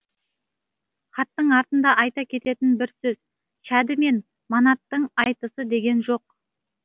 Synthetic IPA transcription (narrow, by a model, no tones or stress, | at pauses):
χɑt̪ːəɴɑɾt̪ənd̪ɑʔɑjt̪ɑkʲʰe̞t̪e̞t̪ɪnbɪɾsɵz | ʃæd̪ɪme̞n | mɑnɑt̪ːəɴɑjt̪əsəd̪e̞ɡʲe̞nʒo̞q̚